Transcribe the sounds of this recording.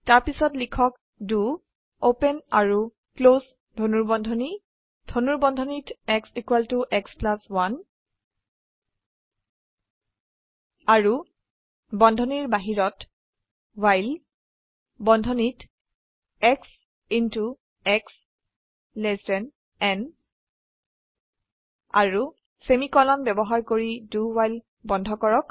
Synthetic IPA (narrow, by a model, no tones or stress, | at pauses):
taɹpisɔtlikʰɔk | du | openaɹu | klos | dʱonuɹbɔndʱɔni | dʱonuɹbɔndʱɔnitɛksikwaltuʔɛksplaswan | aɹu | bɔndʱɔniɹbaɦiɹɔt | wajl | bɔndʱɔnit | ɛks | intu | ɛks | lɛstɛn | ɛn | a̰ɹu | semikɔlɔnbɛbɔɦaɹkoɹiduwajl | bɔndʱɔkɔɹɔk